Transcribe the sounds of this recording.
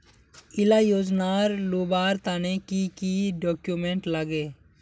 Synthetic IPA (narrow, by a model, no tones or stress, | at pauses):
ɪlaːjoːd͡ʒnaːɾloːbaːɾt̪aːnekikiɖoːkjumẽɳʈlaɡeː